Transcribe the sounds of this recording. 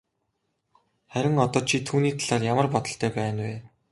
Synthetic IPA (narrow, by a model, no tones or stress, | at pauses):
χæɾʲɪ̆ŋɔt̪ɔːt͡ɕʰit̪ʰuːniːt̪ʰaɮaːrjamə̆rpɔt̪ɞ̆ɬt̪ʰæːpæːnweː